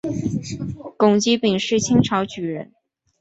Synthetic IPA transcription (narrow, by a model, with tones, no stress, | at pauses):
kʊ˨˩ŋt͡ɕi˧˥pi˨˩ŋʂɻ̩˥˩t͡ɕʰi˥ŋʈ͡ʂʰɑ˧˥ʊt͡ɕy˨˩ɻə˧˥n